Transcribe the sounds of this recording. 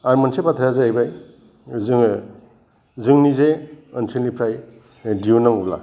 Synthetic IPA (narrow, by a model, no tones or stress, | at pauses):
aɾmansepat̪ʰaɾjazaajbaj | zɯŋ | zɯŋnizeɯnsʰinlipʰɾaj | diunaŋubla̰